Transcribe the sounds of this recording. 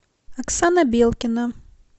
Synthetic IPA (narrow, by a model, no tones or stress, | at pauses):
ɐksanɐbʲelˠkʲɪnɐ